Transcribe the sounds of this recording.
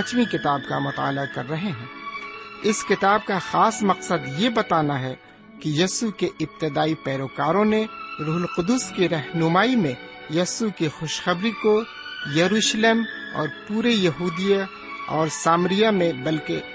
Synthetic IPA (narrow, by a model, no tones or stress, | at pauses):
t͡ʃmikɪt̪aːbkamʊt̪a̰ːlakɐɾːɐɦeɦɛ̃ː | ɪskɪt̪aːb̚kaxaːsmɐqsəd̪jebɐt̪aːnaɦɛ | kijɐsukeʔɪb̚t̪ɪd̪aːipɛːɾoːkaːɾõneɾuːɦʊlqʊd̪ʊskiɾɛɦnʊmaːimẽ | jɐsukixʊʃxɐbɾiko | jɐɾuːʃleːmɔ̰ːɾpuːɾejɐɦuːd̪ija | ɔːɾsaːmɾijamẽbɐlke